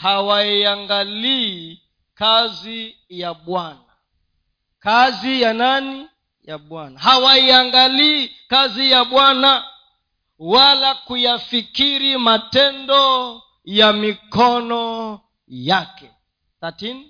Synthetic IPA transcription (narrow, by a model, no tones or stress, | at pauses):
hawaiaŋɡaliː | kazi | jaɓwana | kazijanani | jaɓwanaɦawaiaŋɡaliːkazijaɓwana | walakujafikiɾimatɛndɔ | jamikɔnɔ | jakɛ | tatini